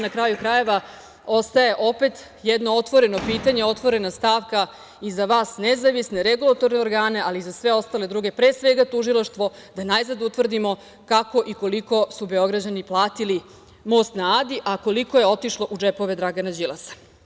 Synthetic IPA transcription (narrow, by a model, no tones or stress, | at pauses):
nakɾajukɾaje̞ʋa | o̞st̪aje̞ʔo̞pe̞t̪ | jɛd̪no̞ot̪ʋo̞ɾe̞no̞piːt̪aɲe̞o̞t̪ʋo̞ɾe̞nast̪aːʋka | izaʋaːsnezaʋisneɾeɡulˠat̪o̞ɾneo̞ɾɡaːne̞aliːzasʋe̞o̞st̪aled̪ɾuːɡe̞pɾeːsʋeɡat̪uʒilˠaʃt̪ʋo̞ | d̪anajzad̪ut̪ʋr̩d̪imo̞ | kako̞ʔiko̞liko̞sube̞o̞ɡɾad͡ʑaniplˠaːt̪ili | mo̞ːst̪naaːd̪iʔako̞likoje̞o̞t̪iʃlˠo̞ʔud͡ʒepo̞ʋe̞d̪ɾaɡanad͡ʑilasḁ